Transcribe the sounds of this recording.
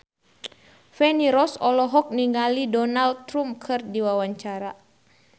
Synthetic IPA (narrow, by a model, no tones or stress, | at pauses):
fɛniɾɔsɔlɔɦɔk̚niŋɡalidɔnald̪̚t̪ɾumkʰɨrdiwawaɲt͡ʃaɾa